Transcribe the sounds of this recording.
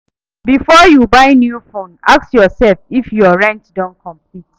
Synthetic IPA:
bifɔjubaɪnjufõna̰ksjɔsɛlfifjɔɹɛ̃ntdɔ̃nkʰɔ̃mplit

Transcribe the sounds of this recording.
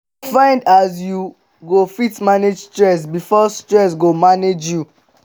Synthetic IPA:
fãɪ̃ndas̬ju | ɡofitmaned͡ʒstɹɛs̬bifɔstɹɛs̬ɡomaned͡ʒju

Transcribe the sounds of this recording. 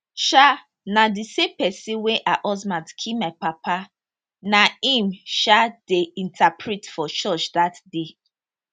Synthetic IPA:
ʃa | nadisẽmpɛsĩnweʔaʔɔzmãdkʰimaɪpapa | naĩmʃadeĩntʰapʰɹitfɔt͡ʃɔt͡ʃdatde

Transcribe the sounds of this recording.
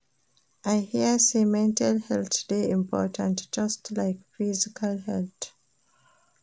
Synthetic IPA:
ʔaɪhiəsemɛ̃ntʰalhɛlt̪deĩmpʰɔ̰ːtʰə̃ntd͡ʒʌstlaɪkfizikʰalhɛlt

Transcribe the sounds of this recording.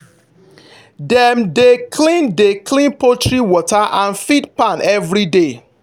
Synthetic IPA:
dɛmdekʰlĩndeklĩnpotɹiwɔtaʔãnfidpãnɛvɹide

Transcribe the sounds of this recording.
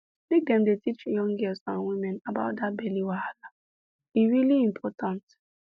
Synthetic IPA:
lɪk̚dɛmdetit͡ʃjɔ̃ŋɡɛlsãnwimɛ̃nabaʊt̚dabɛliwaala | iɾiliĩmpʰɔtãnt

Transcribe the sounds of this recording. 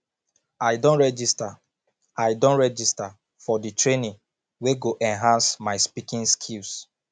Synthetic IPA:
aɪdõnɹɛd͡ʒista | ajdõnɹɛd͡ʒista | fɔditɹenĩ | weɡoʔɛ̃nɦãnsmaɪspikĩnskʰils

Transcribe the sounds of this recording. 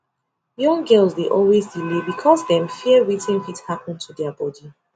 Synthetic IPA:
jɔ̃ŋɡɜlˠzdeʔɔlwezdilebikʰɔsðɛ̃mfiəɹitĩnfithapə̃ntʰudɛəbɔdi

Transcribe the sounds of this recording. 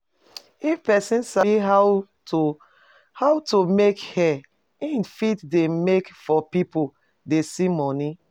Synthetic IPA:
ifpɛsĩnsaɦa | haʊtumekhɛ | ĩnfitdemekfɔpipo | desimɔni

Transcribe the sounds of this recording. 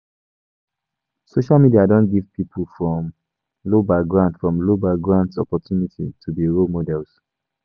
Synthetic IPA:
soʃalˠmidiadõnɡiv̥pʰipʰəlfɹɔ̃m | lobaɡɹãndfɹɔ̃mlobaɡɹãntsɔ̰pɔtʰjunitʰitʰubiɹomɔdɛls

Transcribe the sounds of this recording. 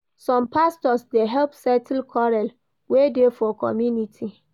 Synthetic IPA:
sɔ̃mpʰastɔsdeɦɛlpsɛtʰlkʰɔɹɛl | wedefɔkʰɔ̰mjunitʰi

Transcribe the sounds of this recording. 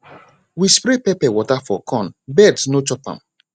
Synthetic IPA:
wispɾepɛpɛwɔtafɔ̰kʰɔ̃nbɛdsnot͡ʃɔpã̰m

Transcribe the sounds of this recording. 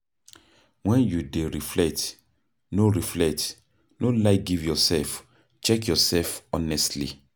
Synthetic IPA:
wɛ̃njudeɹiflɛt | noɹiflɛt | nolaɪk̚ɡivjɔsɛlf | t͡ʃɛkjɔsɛlfɔnɛstlḭ

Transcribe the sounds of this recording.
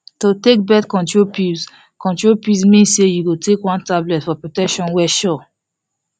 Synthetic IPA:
totek̚bɛtkɔ̃ntɹopis | kɔ̃ntɹopismĩnssejuɡotʰekwãntablɛtfɔpɹotɛkʃɔ̃nwɛʃɔ

